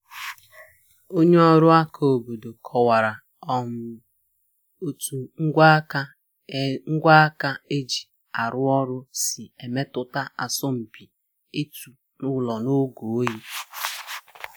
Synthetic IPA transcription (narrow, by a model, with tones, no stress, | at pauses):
o˦ɲe˦ɔ˦ɾʊ˦a˦kʰa˨o˨bo˨do˨kʰɔ˨wa˨ɾa˨ | ɔ˦˨m̩˨ | o˨tu˨ŋ̩˦ɡʷa˦ka˦ | ŋ̩˦ɡʷa˦a˦ka˦e˦d͡ʒi˨ | a˨ɾʊ˦ɔ˦ɾʊ˦si˨e˨me˦tʊ˨ta˦a˨sɔ˦m̩˨bi˨ | e˦tu˨ | nʊ˦lɔ˨no˦ɡo˨˦ji˦